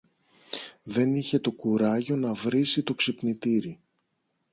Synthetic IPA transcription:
ðe̞niçe̞t̪o̞kuɾɐʝo̞nɐvɾisit̪o̞ksipnit̪iɾi

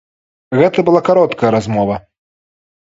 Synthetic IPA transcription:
ɣɛt̪ɐbɨlˠakaɾɔt̪kɐjɐɾazmɔvɐ

